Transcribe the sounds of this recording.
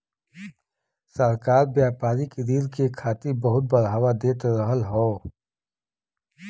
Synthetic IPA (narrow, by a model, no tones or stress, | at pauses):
səɾkaːɾbjaːpaːɾikɾiːɾkekʰaːt̪ibɐɦʊt̪̚bəɾɦɐwad̪eːt̪əɾəɦəlɦoː